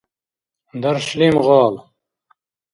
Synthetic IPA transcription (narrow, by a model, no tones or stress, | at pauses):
d̪ɐɾɕlimʁɑːl